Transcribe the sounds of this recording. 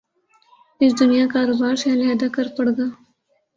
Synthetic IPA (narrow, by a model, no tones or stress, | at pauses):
ɪsd̪ʊnijãkaːɾoːbaːɾsaːleɐd̪akɐɾpɐɽɡaː